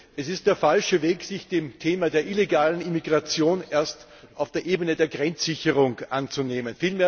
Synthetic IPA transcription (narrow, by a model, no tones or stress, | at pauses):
ʔɛsɪst̚d̥eːɐfalʃəveːksɪçd̥eːmtʰeːmadeːɐʔileɡaːlənimiɡʁat͡sjoːneːɐst | ʔaʊfd̥eːɐʔeːbənədeːɐɡʁɛnt͡sz̥ɪçəʁʊŋʔant͡suneːmənfiːlmeːɐ